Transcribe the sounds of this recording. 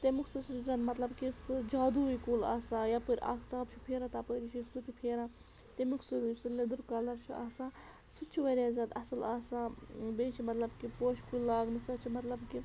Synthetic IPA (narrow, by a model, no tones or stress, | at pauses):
t̪emuksɐsuzɐːt̪mɐt̪lɐbkisɨd͡ʒaːd̪uikuːla̰ːsaːjapɨɾʲa̰ːkʰt̪aːbt͡ʃʰupʰeːɾaːt̪aːpəɾit͡ʃʰisut̪ipʰeːɾaː | t̪emukʰsusɨled̪uɾkaːlɐɾt͡ʃʰua̰ːsaː | sut̪t͡ʃʰiʋɐɾʲaːzʲɐt̪ɐsɨlaːsabeːt͡ʃʰimɐt̪lɐbkipoːʃkʰulaːɡnɨsɐt͡ʃʰimɐt̪lɐbki